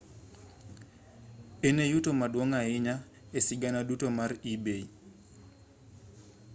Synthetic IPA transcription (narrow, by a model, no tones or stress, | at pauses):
enejutomadwɔŋaɪɲa | esɪɡanadutomaribei